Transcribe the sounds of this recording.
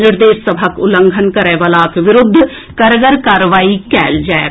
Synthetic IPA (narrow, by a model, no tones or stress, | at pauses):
nɪɾd̪eːsːəbʱəkʊlə̃ŋɡʱənkəɾɛːʋəlaːkʋɪɾʊd̪ʱː | kɐɾəɡəɾkaːɾʋaːikɛːld͡ʒae